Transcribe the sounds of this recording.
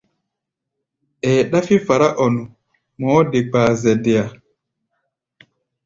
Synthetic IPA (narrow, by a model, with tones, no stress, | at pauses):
ɛː˨ɗa˦fi˦fa˨ɾa˦ʔɔ˨nu˨ | mɔː˨˦de˨k͡paː˨zɛ˨de˨a˨